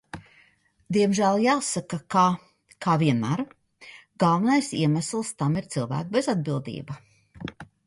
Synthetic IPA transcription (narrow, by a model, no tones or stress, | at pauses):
d̪iɛmʒæːlˠjaːsakaka | kʰaːviɛnmaɾ | ɡalˠvɛnajsiɛmæslˠst̪amiɾt̪silˠvæ̰ːkbezad̪̚bilˠd̪ḭːba